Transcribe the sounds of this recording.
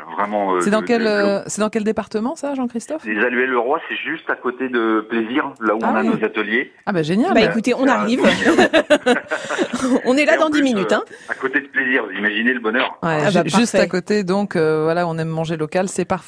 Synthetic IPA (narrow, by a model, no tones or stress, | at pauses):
vʁɛmɑ̃sɛd̪ɑ̃kɛløsɛd̪ɑ̃kɛld̪epaʁt̪əmɑ̃saʒɑ̃kχist̪ɔflezalɥɛlːəʁwasɛʒyst̪akot̪ed̪əpleziːʁlauɔ̃anainozat̪əlje | abaʒenjalbaekut̪eɔ̃naʁiv | ɔ̃nɛlad̪ɑ̃d̪iminytt̪ɛ̃akot̪ed̪əpleziʁvuzimaʒineləbɔnœʁwɛaʒaʒpystfɛakot̪ed̪ɔ̃køvwalaɔ̃nɛmːɑ̃ʒelɔkalsɛpaʁfɛ